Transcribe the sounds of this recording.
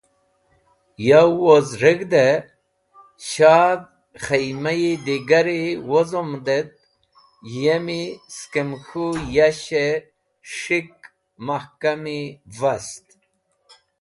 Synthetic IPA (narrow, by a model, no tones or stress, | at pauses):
jawozɾiɡd̪e | ɕaːd̪̚ | xɐjmɐjid̪iɡɐɾiwozomd̪et̪̚ | jemiskemxujaɕe | ʂik̚ | mɐhkɐmivɐst̪